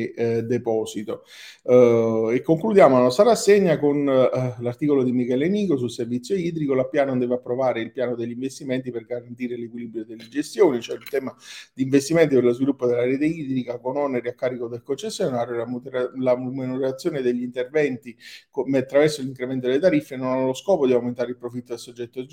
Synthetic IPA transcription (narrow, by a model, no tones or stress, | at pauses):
d̪epɔːsit̪o | ekːoŋklud̪jaːmolanɔst̪ɾaɾasːeɲːakonlart̪iːkolod̪imikɛleniːkosulservit̪sjoiːd̪ɾikolapːjaːnond̪ɛːveapːɾovaːɾeilpjaːnod̪eʎːiɱvest̪imɛnt̪̬iperɡaɾant̪iːɾelekwiliːbɾjod̪elːed͡ʒest̪joːnit͡ʃoɛilt̪ɛːmad̪iːɱvest̪imɛnt̪iperlozvilupːod̪elːaɾeːt̪eiːd̪ɾikakonɔneɾiakːaːɾikod̪elkont͡ʃesːjonaːɾjolamlamenoɾat̪sːjoːned̪eʎːint̪ervɛnt̪ikmat̪ːɾavɛrsoliŋkɾemɛnt̪od̪elːet̪aɾifːenonanːloskɔːpod̪iawment̪aːɾeilpɾofit̪ːod̪elsod͡ʒːɛt̪ːo